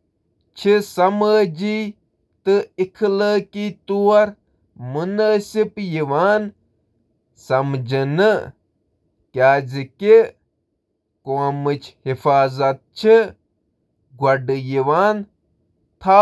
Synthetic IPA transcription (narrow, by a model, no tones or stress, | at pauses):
t͡ʃʰisɐməd͡ʒiː | t̪ɨikʰləːkit̪uwɐɾ | munaːsipjiʋaːn | sɐmd͡ʒinɨ | kʲaːd͡ziki | koːmɨt͡ʃʰhifaːzɐt̪̚t͡ʃʰi | ɡɐɖjiʋaːn | t̪ʰa